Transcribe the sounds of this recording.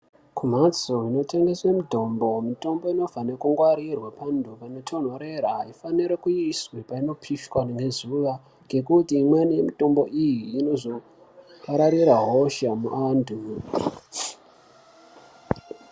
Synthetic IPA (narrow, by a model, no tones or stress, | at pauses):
kʰum̤at͡soɦino̞tʰe̞ŋɡe̞swemidʱo̞mbo̞mito̞mbo̞ino̞vʱanekuŋɡwaɾirwapandʱupano̞tʰonwaɾeɾaifaniɾekujiswepaino̞pʰiʃkwanŋɡe̞zuʋa | ŋɡe̞kutimwenijemito̞mbo̞ʔijiːno̞zo̞ | paɾaɾiɾaɦo̞ʃamuʔandʱu